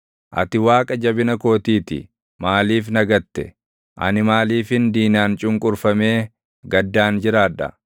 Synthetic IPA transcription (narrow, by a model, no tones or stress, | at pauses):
ʔɐ̰t̪ɪwaːkʼɐd͡ʒɐbɪnɐko̞ːt̪iːt̪ɪ̰ | maːliːfnɐɡɐt̪ːɛ̰ | ʔɐ̰nɪmaːliːfɪnd̪iːnaːnt͡ʃʼʊŋkʼʊɾfɐme̞ː | ɡɐd̪ːaːnd͡ʒɪɾaːᶑɐ̰